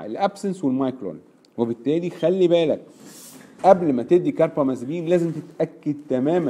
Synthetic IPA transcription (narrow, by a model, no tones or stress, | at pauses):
ḛlʔæbsenswelmɑjkɾo̰ːn | webet̪ːæːlixælːibæːlæk̚ | ʔæblmæt̪eʔd̪ːikɑɾˤpɑmæzbiːnlæːzemt̪et̪ʔækːæd̪̚t̪æmæːmæ